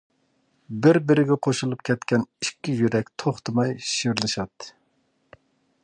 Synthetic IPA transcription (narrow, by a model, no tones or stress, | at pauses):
bɪɾbɪɾɪɡʲɛqʰoʃulˠup̚kʲʰɛt̪kʲɛnikʲːijyɾɛkʲt̪ʰoχt̪ɨmɑjʃiɾlˠɨʃɑt̪